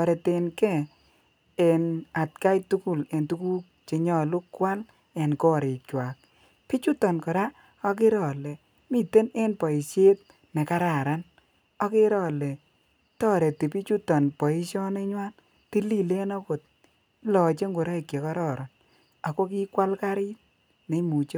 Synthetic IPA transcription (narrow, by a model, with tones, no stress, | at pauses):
ɔ˨ɾe˨te˨nkɛ˦˨ | e˨na˨t̚ka˦jtu˦ku˨le˨ntu˦ku˦k̚ | t͡ʃi˨ɲɔ˨lʊ˦kːwa˦l | e˨nkɔ˦ɾe˨kwa˨k̚ | pi˦t͡ʃu˦tɔ˨nkɔ˨ɾa˦ | ɔ˦k̬ɪ˦ɾɔ˨le˨ | mi˦˨te˦ne˦npɔ˨i˨sje˦t̚ | ne˨ka˦ɾa˨ɾa˦n | ɔ˦kɪ˦ɾɔ˨le˨ | tɔː˦ɾe˨ti˨pi˦t͡ʃu˦tɔ˨npɔ˨i˦ʃjɔ˦ne˦ɲwa˦n | ti˦li˦le˦nɔ˦ko˨t̚ | lɔ˨t͡ʃe˦ŋɡʊ˨ɾa˦i˨kje˨kɔ˦ɾɔ˦˨ɾɔ˨n | a˨ko˦k̬i˦kwa˦lka˦ɾɪ˦t | ne˨˦mu˨t͡ʃ